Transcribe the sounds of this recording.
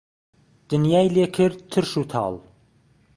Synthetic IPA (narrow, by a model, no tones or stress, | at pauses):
d̪̥ɨnjɑːjlekʰɨɾd̪̚t̪ʰɨɾʃut̪ʰɑ̰ːlˠ